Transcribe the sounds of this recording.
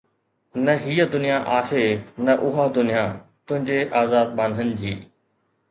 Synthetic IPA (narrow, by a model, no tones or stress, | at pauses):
nɐɦiːəd̪ʊnijaʔaːhenɐʔʊɦad̪ʊnijãt̪ʊ̃ɦɪ̃ɲd͡ʑeʔaːzaːd̪̚maːnənɪ̆d͡ʑiː